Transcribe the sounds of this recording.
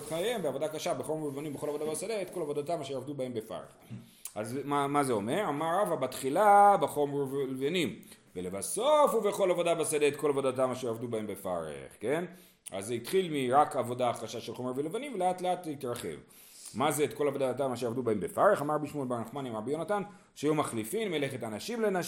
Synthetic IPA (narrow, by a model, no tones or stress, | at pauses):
tχaje̞mbeavodakaʃabeχo̞melevanimbexolavo̞d̪abasadeetko̞lavo̞d̪atamaʃejavdubahembefa̰ʁḛχ | azmamazeo̞me̞ʁamaʁavabat̪χilabeχo̞meʁvelevanimvele̞vaso̞fubeχo̞lavo̞dabasadeetko̞lavo̞datamaʃejavdubaembe̞fa̰ɾḛχke̞n | a̰zeitχilmiʁakavo̞daːχʁaʃaʃelχo̞mevelevanimveleatleatitɾaχe̞̰v | mazeetko̞lavo̞datamaʃeavdubaembe̞faʁeχamaʁabiʃmolbaɾaχmanimabijonatan | ʃeajumaχlifinmeleχetanaʃimlena